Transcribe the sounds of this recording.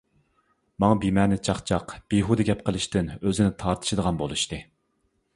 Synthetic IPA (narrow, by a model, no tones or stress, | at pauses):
mɑŋɑbimɛnɪt͡ʃʰɑχt͡ʃʰɑqb̥iɦud̪ɨɡʲɛp̚qəlˠɨʃt̪ɪnøzɪnɪt̪ʰɑɾt̪ʰɨ̥ʃɪd̪əʁɑnbolˠuʃt̪ɨ